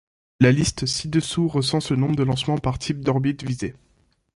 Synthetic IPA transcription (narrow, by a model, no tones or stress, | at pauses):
lalist̪sid̪əsuʁəsɑ̃sənɔ̃bʁəd̪əlɑ̃smɑ̃paʁt̪ʰip̚d̪ɔʁbit̪vize